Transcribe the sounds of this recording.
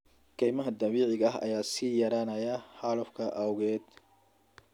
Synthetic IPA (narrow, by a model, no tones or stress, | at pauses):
kʰɛjmɐɦɐd̪ɐβiːʕɪɣɐɐɦɐ̰jaːsiːjɐɾaːnɐjɐħalʊfkʰɐʔɐwɣɛːd̪